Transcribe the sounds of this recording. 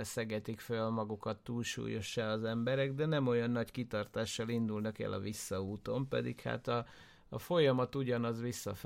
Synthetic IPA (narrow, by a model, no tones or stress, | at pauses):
sɛɡɛt̪ikfølmɒɡukɒt̪ːuːlʃṵːjo̞ʃːaɒzɛmbɛɾɛɡd̪ɛnɛmo̞jɒnːɒckit̪ɒrt̪aːʃːɒlind̪ulnɒkɛ̰lɒ̰visːɒuːt̪o̞mpɛ̰d̪ḭkha̰ːt̪ɒː | fo̞jɒmɒt̪uɟɒnɒzʋisːɒf